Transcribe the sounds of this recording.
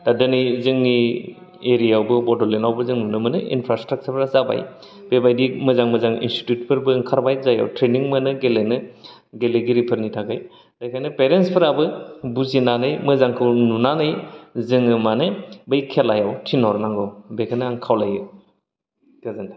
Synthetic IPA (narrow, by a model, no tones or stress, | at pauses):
dadɯnɯjzɯŋːi | eɾijawbɯbɔdɔlenawbɯzɯŋnunɯmɯnɯʔḭnpʰɾastɾak̚t͡ʃʰəɾpʰɾazaba̰j | b̥ebajdimɯzaŋmɯzaŋḭnsti̥tjut̚pʰɯɾbɯŋkʰaɾbajzaja̰wtɾeniŋmɯnɯɡelenɯ | ɡeleɡiɾipʰɯɾnitʰakʰaj | d̥ajkʰajnɯpeɾenspʰɯɾabɯbuzinanɯjmɯzaŋkʰɯwnunanɯjzɯŋɯmanɯbɯjkʰelajawtʰinɔɾnaŋɡɯwbekʰanɯaŋkʰawlajɯ | kʰazanta